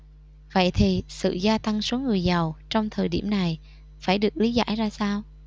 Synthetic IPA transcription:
və̰˧˨jt̪ʰi˨˩sɨ̰˧˨zaː˧t̪a˧ŋsu˨˦ŋɨ˨˩əjza˨˩wt͡ɕɔ˧wŋ͡mt̪ʰəː˨˩jɗi˧˩mna˨˩j | faː˧˩jɗɨ˨˩ək̚li˨˦za̰ː˧˥˩jzaː˧saː˧w

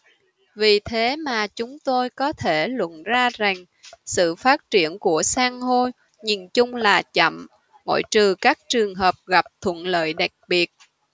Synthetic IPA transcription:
vi˨˩t̪ʰe˨˦maː˨˩t͡ɕʊ˨˦ŋ͡mt̪o˧jkɔ˨˦t̪ʰe˧˩lwə̰˧˨nzaː˧za˨˩ŋ | sɨ̰˧˨faː˦˥t̚t͡ɕi˧˩ənku˧˩əsaː˧ŋho˧j | ɲi˨˩nt͡ɕʊ˧ŋ͡mlaː˨˩t͡ɕə̰˧˩m | ŋo̰˧˥˨jt͡ɕɨ˨˩kaː˦˥k̚t͡ɕɨ˨˩əŋɦəː˨˩p̚ɣa˨˩p̚t̪ʰwə̰˧˨nlə̰ː˧˨jɗa˨˩k̚ɓi˨˩ət̚

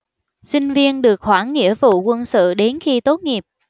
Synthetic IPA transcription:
si˧ŋ̟vi˧ənɗɨ˨˩ək̚hwaː˧˩nːḭ˧˥əvṵ˧˨kwə˧nsɨ̰˧˨ɗe˨˦nxi˧t̪o˨˦˥t̚ŋi˨˩əp̚

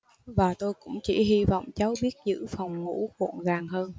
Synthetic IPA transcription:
vaː˨˩t̪o˧jkʊ̰˧˥ŋ͡mt͡ɕḭ˧˩ɦi˧vɔ̰˧˨wŋ͡mt͡ɕaː˨˦wɓi˦˥ət̚zɨ̰˧˥fɔ˨˩wŋ͡mŋṵ˧˥kṵ˧˨ənɣaː˨˩ŋhəː˧n

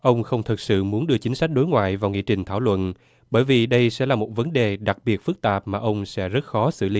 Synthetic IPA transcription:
ʔə˧wŋ͡mxə˧wŋ͡mt̪ʰɨ˨˩t̚sɨ̰˧˨mu˨˦ənɗɨ˧ət͡ɕï˨˦ŋsa˦˥k̟̚ɗo˨˦jŋwa̰ː˧˨jvaː˨˩wŋḭ˧˨t͡ɕï˨˩ŋ̟t̪ʰaː˧˩wlwə̰˧˨n | ɓəː˧˩jvi˨˩ɗə˧jsɛ̰˧˥laː˨˩mo˨˩t̚və˨˦nɗe˨˩ɗa˨˩k̚ɓi˨˩ət̚fɨ˦˥k̚t̪aː˨˩p̚maː˨˩ʔə˧wŋ͡msɛ̰˧˥zə˦˥t̚xɔ˨˦sɨ̰˧˩li˨˦

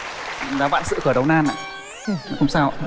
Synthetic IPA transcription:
zaː˨˦va̰ː˧˨nsɨ̰˧˨kɨ˧˩ɗə˨˩wnaː˧nʔa̰ː˧˨˧ | hʊ̰˧˦ŋ͡msaː˧w

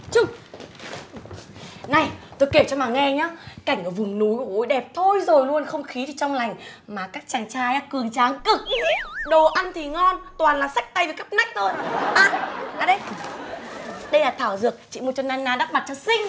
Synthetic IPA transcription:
t͡ɕʊ˧ŋ͡m | na˨˩jt̪o˧jki˧˩əwt͡ɕɔ˧maː˨˩ŋɛ˧ɲaː˨˦ka˧˩jŋ̟ʔəː˧˩vʊ˨˩ŋ͡mnu˨˦jkːho˨˦jɗɛ˨˩p̚t̪ʰo˧jzo˨˩jlu˧ənxə˧wŋ͡mxi˨˦t̪ʰi˨˩t͡ɕɔ˧wŋ͡mla˨˩jŋ̟ | maː˨˩kaː˦˥k̚t͡ɕaː˨˩ŋt͡ɕaː˧jaː˧˦kɨ˨˩əŋt͡ɕaː˨˦ŋkɨ˨˩k̚ɗo˨˩ʔa˧nt̪ʰi˨˩ŋɔ˧nt̪waː˨˩nlaː˨˩sa˦˥jk̚t̪a˧jvə˨˩ka˦˥p̚na˦˥jk̚t̪ʰo˧jɓaː˧˩naː˨˩ɗə˧j | ɗə˧jlaː˨˩t̪ʰaː˧˩wzɨ˨˩ək̚t͡ɕḭ˧˨m˨˩t̚t͡ɕɔ˧naː˧nːaː˧ɗa˦˥p̚ma˨˩t̚t͡ɕɔ˧sï˧ŋ̟

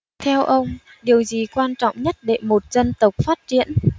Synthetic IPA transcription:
t̪ʰɛ˧wʔə˧wŋ͡m | ɗi˨˩əwzi˨˩kwaː˧nt͡ɕɔ̰˧˨wŋ͡mɲə˦˥t̚ɗe˧˩mo˨˩t̚z̥ə˧nt̪ə˨˩wk͡p̚faː˦˥t̚t͡ɕḭ˧˥ən

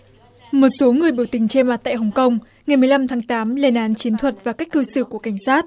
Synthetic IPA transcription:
mo˨˩t̚so˨˦ŋɨ˨˩əjɓi˧˩əwt̪ï˨˩ŋ̟t͡ɕe˧ma˨˩t̚t̪a̰ː˧˨jɦə˨˩wŋ͡mkə˧wŋ͡m | ŋa˨˩jmɨ˨˩əjla˧mt̪ʰaː˨˦ŋt̪aː˨˦mle˧nʔaː˨˦nt͡ɕi˨˦ənt̪ʰwə˨˩t̚vaː˨˩ka˦˥k̟kːɨ˧sɨ˧˩ku˧˩əka˧˩jŋ̟saː˦˥t̚

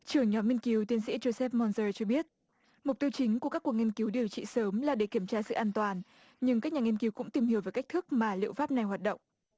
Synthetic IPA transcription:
t͡ɕɨ˧˩əŋɲɔ˨˦mːi˧nki˨˦wt̪wi˧ənsḭ˧˥zo˧sɛ˦˥p̚mɔ˧nzəː˧t͡ɕɔ˧ɓi˦˥ət̚ | mʊ˨˩k͡p̚t̪i˧əwt͡ɕï˨˦ŋ̟ku˧˩ka˦˥kːu˨˩əŋi˧ənki˨˦wɗi˨˩əwt͡ɕḭ˧˨səː˨˦mlaː˨˩ɗe˧˩ki˧˩əmt͡ɕaː˧sɨ̰˧˨ʔaː˧nt̪waː˨˩n | ɲɨ˧ŋka˦˥k̚ɲaː˨ŋi˧ənki˨˦wkʊ̰˧˥ŋ͡mt̪i˨˩mhi˧˩əwvəː˨˦jka˦˥k̚t̪ʰək̚maː˨˩lḭ˧˨wfaː˦˥p̚na˨˩jhwaː˨˩t̚ɗə̰˧˨wŋ͡m

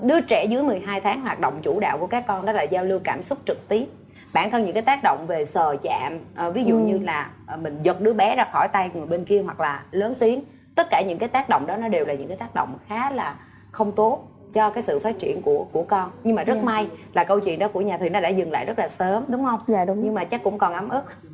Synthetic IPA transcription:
ɗɨ˧ət͡ɕɛ˧˩zɨ˨˦jmɨ˨˩əjɦaː˧jt̪ʰaː˨˦ŋɦwaː˨˩t̚ɗo̰˧˨wŋ͡mt͡ɕu˧˩ɗa̰ː˧˨wku˧˩əkaː˦˥kːɔ˧nɗɔ˨˦laː˨˩zaː˧wlɨ˧əkaː˧˩msʊ˦˥k͡p̚t͡ɕɨ˨˩k̚t̪i˦˥əp̚ | ɓa̰ː˧˨nkɔ˧nɲɨ̰˧˥ŋkaː˨˦jt̪aː˦˥k̚ɗo̰˧˨wŋ͡mve˨˩səː˨˩t͡ɕa̰ː˧˨mʔvi˨˦zṵ˧˨ɲɨ˧laː˨˩˨mï˨˩ŋ̟zə˨˩t̚ɗɨ˨˦əɓɛ˨˦zaː˧xɔ˧˩jt̪a˧jŋu˨˩əjɓe˧nki˧əɦwa˨˩k̚laː˨˩ləː˨˦nt̪i˨˦ən | t̪ə˦˥t̚kaː˧˩ɲɨ̰˧˥ŋkaː˨˦jt̪aː˦˥k̚ɗo̰˧˨ŋ͡mɗɔ˨˦nɔ˨˦ɗe˨˩wlaː˨˩ɲɨ̰˧˥ŋkaː˨˦jt̪ːk̚ɗo̰˧˨wŋ͡mxaː˨˦laː˨˩ | xə˧wŋ͡mt̪o˦˥t̚ | t͡ɕɔ˧kaː˨˦jsɨ̰˧˨faː˦˥t̚t͡ɕḭ˧˩ənku˧˩əku˧˩əkɔ˧nɲɨ˧ŋmaː˨˩zə˦˥t̚ma˧jlaː˨˩kə˧wt͡ɕwḭ˧˨ənɗɔ˨˦ku˧˩əɲaː˨˩t̪ʰi˨˩nɔ˨˦ɗa̰ː˧˥zɨ˨˩ŋla̰ː˧˨jzə˦˥t̚laː˨˩səː˨˦mɗʊ˨˦ŋ͡mhə˧wŋ͡mɲɨ˧ŋmaː˨˩t͡ɕa˦˥kːʊ̰˧˥ŋ͡mkɔ˨˩nʔa˨˦mʔɨ˦˥k̚

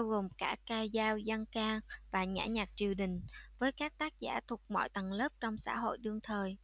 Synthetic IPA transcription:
ɓa˧wɣo˨˩mkaː˧˥kaː˧jzaː˧wzə˧ŋkaː˧ŋvaː˨˩ɲa̰ː˧˥ɲaː˨˩k̚t͡ɕi˨˩əwɗï˨˩ŋ̟vəː˨˦jkaː˦˥k̚t̪aː˦˥k̚za̰ː˧˩t̪ʰʊ˨˩k͡p̚mɔ̰˧˨jt̪ə˨˩ŋləː˦˥p̚t͡ɕɔ˧wŋ͡msa̰ː˧˥ɦo̰˧˨jɗɨ˧əŋt̪ʰəː˨˩j

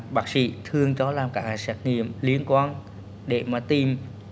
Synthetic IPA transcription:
ɓaː˨˦˥t̚sḭ˧˨t̪ʰɨ˨˩əŋt͡ɕɔ˨˦laː˨˩mkaː˧˩sɛː˨˦˥t̚ŋḭ˧˨əmli˨˦ənkwaː˧n | ɗe˧˩maː˨˩t̪i˨˩m

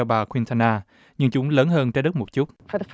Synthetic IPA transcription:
ɔ˧ɓaː˨˩kʰwi˧nt̪ʰa˧naː˧ | ɲɨ˧ŋt͡ɕʊ˨˦ŋ͡mləː˨˦nɦəː˧nt͡ɕɛ˧˦ɗə˦˥t̚mo˨˩t̚t͡ɕu˦˥t̚fə˞ðəf

